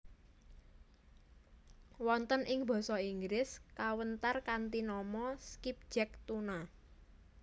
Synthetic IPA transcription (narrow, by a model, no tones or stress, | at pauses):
wɔnt̪ənʔɪŋb̥ɔ̤sɔiŋɡɾɪskawənt̪arkant̪inɔmɔskip̚d̥ʒ̥ɛk̚t̪una